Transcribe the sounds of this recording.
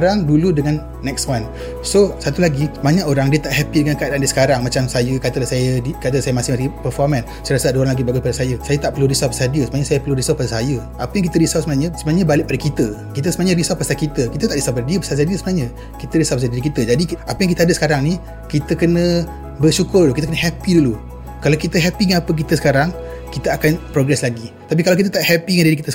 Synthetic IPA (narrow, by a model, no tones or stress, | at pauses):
ɾaŋduludəŋanːɛkswan | sosat̪ulaɡisəbaɲaʔoɾaŋdiət̪aʔhɛpidəŋankəadaʔandiəsə̥kaɾaŋmat͡ʃamsajəkat̪əlahsajədikat̪əlasajəmasɪhmasipərfɔrmãn | sɾasəadəoɾaŋlaɡibaɡupadəsajəsajət̪aʔpərluɾisɔlpəsadiəsəbənaɲəsajəpərluɾisɔlpadasajəʔapəjaŋkit̪əɾisɔlsəmənaɲəsəbənaɲəbalɪʔpadəkit̪əkit̪̬əsəmənaɲəɾisɔlpasakit̪əkit̪ət̪aʔdisɔlpadadiəpəsasadiəsəbənaɲə | kit̪əɾisɔpasadiɾikit̪əd͡ʒadiapəjaŋkit̪əadəsə̥kaɾaŋni | kit̪əkənə | bərʃukʊrkit̪əkənəɦɛpidulu | kalawkit̪əɦɛpiŋaapək̬it̪əsə̥kaɾaŋ | kit̪əakanpɾoɡɾɛslaɡit̪ap̬ikalawkit̪ət̪aʔhɛpiŋandiɾikit̪ə